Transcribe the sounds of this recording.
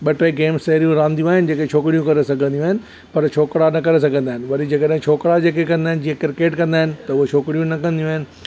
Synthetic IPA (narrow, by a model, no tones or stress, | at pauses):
ɓɐʈeɡeːmst̪ɐɦɾijũɾãːnd̪ijũaːɦɪnɪ̆d͡ʑeːkẽt͡ɕʰoːkɽijũkɐɾesɐɡʱə̃nd̪iũaːɦɪnɪ̆ | pɐɾt͡ɕʰoːkɽanɐkɐɾes̬ɐɡʱə̃nd̪aːɦɪnɪ̆ʋɐɾid͡ʑɐkəɗɦɪ̃t͡ɕʰoːkɽad͡ʑeːkekɐ̃nd̪aːɪnɪd͡ʑiːãkɪɾɪkeːʈkɐ̃nd̪aːɪnɪ̆t̪ɐʊɦot͡ɕʰoːkɽijũnɐkɐ̃nd̪ijũaːɪnɪ̆